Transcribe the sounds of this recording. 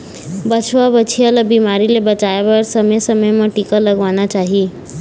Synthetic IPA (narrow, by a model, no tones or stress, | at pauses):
bʌt͡ʃʰwabʌt͡ʃʰijalʌbimaɾilebʌt͡ʃaebaɾsʌməjsʌmʌjmãʈikʌlʌɡwanat͡ʃaɦi